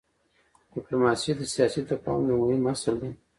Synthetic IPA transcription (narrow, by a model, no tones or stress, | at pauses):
d̥ɪplomɑsid̪əsijɑsit̪apɑ̰wd̪əmuwimasald̪e